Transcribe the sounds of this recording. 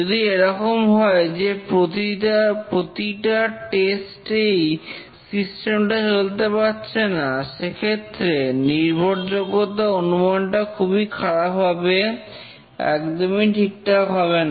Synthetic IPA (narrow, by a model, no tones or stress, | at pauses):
d͡ʒod̪ieɾɔkomɦɔed͡ʑepɾot̪iapɾot̪iʈaʈesʈej | sisʈemʈat͡ɕolt̪epatːɕʰenaʃekʰet̪ːɾeniɾbʱoɾd͡ʑoɡːot̪aonumanʈakʰubikʰaɽapɦabe | ɛ̰kd̪omiʈʰik̚ʈaɦɔβena